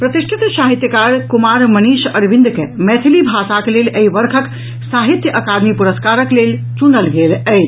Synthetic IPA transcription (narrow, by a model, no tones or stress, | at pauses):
pɾət̪iʃʈʰit̪saɦit̪jəkaɾkumaɾməniʃəɾʋĩnd̪kemɛt̪ʰilibʱasakleleiʋəɾkʰək | saɦit̪jəʔəkad̪mipuɾəskaɾəklel | t͡ʃunəlɡelət͡ʃʰ